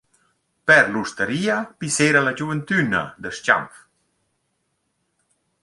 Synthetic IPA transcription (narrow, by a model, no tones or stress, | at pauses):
pɛɾlust̪əɾiapiseɾalad͡ʑuvənt̪yna̰d̪əʃt͡ʃa̰mf